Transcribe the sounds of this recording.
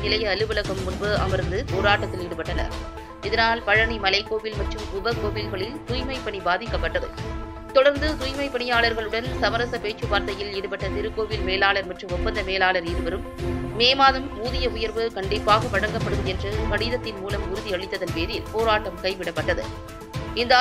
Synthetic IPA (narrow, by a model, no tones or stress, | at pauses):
nɪlɐjɐːlɯʋɐlɐɣɐmːʊnbɯɐ̰mɐɾnd̪ɯpoːɾaːʈːɐt̪ːɪlɪɽɯpːɐʈːɐnɐ̰ɾ | ɪðɐnaːlpɐɻɐɳimɐlɐɪkːoːʋɪlmɐʈrɯmʊbɐkːoːʋɪlɣɐɭɪlt̪ʊjmɐɪpːɐɳibaːðɪkːɐpːɐʈːɐðɯ̰ | t̪ɔɽɐɾnd̪ɯt̪ujmɐɪpːɐɳɪjaːɭɐɾɣɐɭɯɽɐnsɐmɐɾɐsɐpeːt͡ʃːɯʋaːɾt̪ɐjɪlɪɽɯpːɐʈːɐt̪ɪɾɯkːoːʋɪlmeːlaːɭɐɾmɐʈrɯmɔpːɐnd̪ɐmeːlaːɭɐɾiːɾɯʋɐɾɯmːeːmaːðɯmuːðɪjɐʊjɐɾʋɯkɐɳɖɪpːaːɣɐpɐɽɐŋɡɐpːɐɽɯðɯɛndrɯmɐɽɪðɐt̪ːɪnmuːlɐmʊɾʊðiɐɻɪt̪ːɐðɐnpeːɾɪlpoːɾaːʈːɐmkɐɪʋɪɽɐpːɐʈːɐðɯ̰ | ɪnd̪ɐ